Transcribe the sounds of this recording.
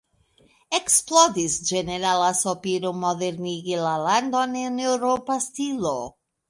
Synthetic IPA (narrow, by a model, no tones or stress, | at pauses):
eksplɔd̪isd͡ʒeneɾalasopiɾomɔðeɾniɡilaland̪onenewɾopast̪ilo